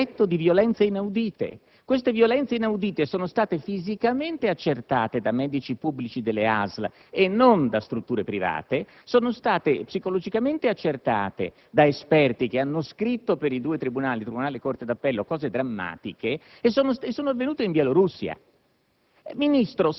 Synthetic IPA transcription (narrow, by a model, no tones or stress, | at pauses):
ɛt̪ːod̪ivjolɛnt̪seinawd̪iːt̪ḛ | kwest̪evjolɛnt̪seinawd̪iːt̪esoːnost̪aːt̪efizikament̪eat͡ʃːert̪aːt̪ed̪amɛːd̪it͡ʃipubːlit͡ʃid̪elːea̰zl | enːond̪ast̪ɾut̪ːuːɾepɾiva̰ːt̪e | soːnost̪aːt̪epsikolod͡ʒikament̪eat͡ʃːert̪a̰ːt̪ḛ | d̪aespɛrt̪ik̟eanːoskɾit̪ːopeɾid̪uːet̪ɾibunaːlit̪ɾibunaːlekort̪ed̪apːɛlːokɔːzed̪ɾamːa̰ːt̪ikeː | sːoːnosesːoːnoavːenuːt̪eiɱbjeloɾusːia̰ | minist̪ɾo